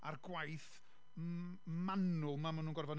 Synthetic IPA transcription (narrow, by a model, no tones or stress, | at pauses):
arɡwajθ | manʊlˠmamanuːnɡɔrvɔn